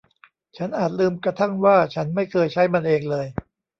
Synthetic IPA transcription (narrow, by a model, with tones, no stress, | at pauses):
t͡ɕʰa˦˥nʔaː˨˩t̪̚lɯː˧mkɾa˧t̪ʰa˥˩ŋwaː˥˩t͡ɕʰa˦˥nma˥˩jkʰɤː˧jt͡ɕʰa˦˥jma˧nʔeː˧ŋlɤː˧j